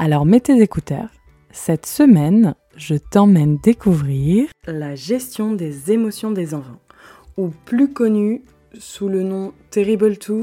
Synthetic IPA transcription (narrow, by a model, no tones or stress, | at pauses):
alɔʁmet̪ezekut̪ɛ̰ʁ | sɛt̪səmɛn | ʒət̪ɑ̃mɛnd̪ekuvʁiʁlaʒɛst̪jɔ̃d̪ezemɔsjɔ̃d̪ezɑ̃fɑ̃ | uplykɔny | sulənɔ̃t̪eʁiblt̪ʰu